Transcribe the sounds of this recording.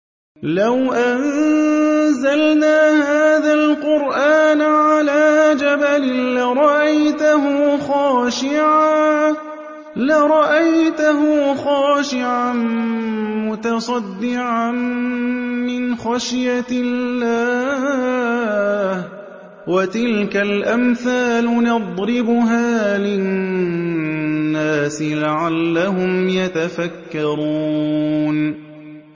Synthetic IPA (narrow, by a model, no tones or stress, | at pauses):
lawʔan | zalnaːhaːðalqʊɾʔaːnʕalaːd͡ʒabalɪlaɾˤɑʔajt̪aɦʊxɑːʃɪʕaː | laɾˤɑʔajt̪ʊɦʊxɑːʃɪʕan | mʊt̪ɑsˤɑd̪ːɪʕan | mɪnxaʃjaɪllːaː | h | wat̪ɪlkalʔamθaːlʊnɑd̪ˤɾɪbʊɦaːlɪ | nːaːsɪlaʕalːaɦʊmjat̪afakːɑɾuːn